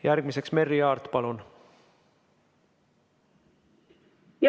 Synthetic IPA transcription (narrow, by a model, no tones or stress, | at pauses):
jærɡ̥̚mise̞ksme̞rːiɑːrt̪pɑlon | j